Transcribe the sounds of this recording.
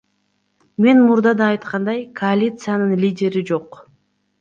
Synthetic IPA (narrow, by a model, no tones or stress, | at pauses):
me̞nmuɾd̪ɑd̪ɑːjt̪qɑnd̪ɑjkʰoalʲit̪sɨjanɯnlʲidʲe̞ɾid͡ʒo̞q